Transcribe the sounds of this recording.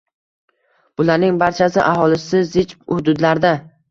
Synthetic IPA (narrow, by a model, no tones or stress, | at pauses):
b̥ʊlaɾnɪŋbaɾt͡ʃʰasɪʔahɒlɪsɪzɪt͡ʃphʊd̪ʊd̪laɾd̪a